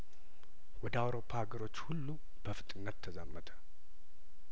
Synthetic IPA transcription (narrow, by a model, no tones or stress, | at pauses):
wɔd̪əawɾo̞pʰːahaɡəɾo̞t͡ʃːhulːu | b̥əfɨt̪ʼɨnːət̪ʰːəzamːət̪ʰə̥